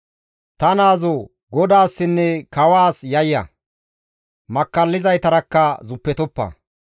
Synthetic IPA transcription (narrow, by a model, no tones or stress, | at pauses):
t̪ɐnaːzɔ | ɡɔd̪aːsːɪnːɛkɐwaːsjɐjːɐ̰ | mɐkːɐlːɪzɐjt̪ɐɾɐkːɐzʊpːɛt̪ɔpːɐ̰